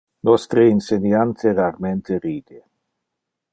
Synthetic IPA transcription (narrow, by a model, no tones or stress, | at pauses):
nɔst̪ɾeinsenjant̪ʰeɾarment̪eɾiːd̪e